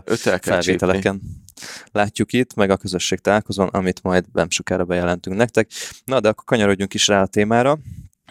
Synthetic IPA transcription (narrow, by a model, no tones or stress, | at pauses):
øt̪ɛkfɛlʋeːt̪ɛlɛkɛn | laːcːukit̪mɛɡɒkøzø̞ʃːeːk̚t̪ɒlaːlkozonɒ̰mit̪mɒjd̪ɛ̰mʃokaːɾɒbɛjɛlɛnt̪yŋknɛk̚t̪ɛk̚nɒd̪ɛɒkːo̞rkɒɲɒɾo̞ɟːuŋkiʃraːɒt̪eːmaːɾɒ